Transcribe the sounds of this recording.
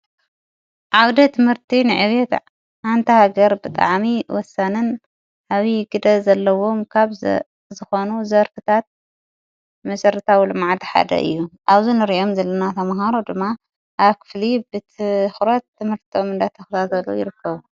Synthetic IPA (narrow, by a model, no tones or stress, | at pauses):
ʕawd̪ɐt̪ʰɨmhɨɾt̪ʰinɨʕɨβɛt̪ | ʕant̪ʰɐhaɡɐɾbɨt̪ʼa̰ʕmiwɔsːanɨn | ʔaβiɡɨd̪ɐzɐlːɐwo̞mkʰaβ | zɨxo̞nuzɐɾfɨt̪ʰat̪̚ | mɐsɐɾɨt̪ʰawilɨmaʕd̪ħa̰d̪ɐ̰ʔɨ̰jːuʔaβzunɨɾiʔo̞mzɐlːɐnat̪ʰɐmɦaɾod̪ɨmːa | ʔaβkʰɨ̥flibɨt̪ʰɨxɾɐt̪ːɨmhɨɾt̪ʰiomɨnd̪at̪ʰɐxt̪ʰat̪ɐlːo̰jɪɾɨkːɐβu